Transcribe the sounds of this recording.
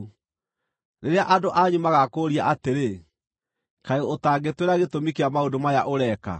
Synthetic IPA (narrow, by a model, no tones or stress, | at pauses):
neɾeaʔadoʔaɲumaɣakoɾiaʔateɾe | kaeotaːŋɡetweɾaɣetomikeamaodomajaʔoɾɛka̰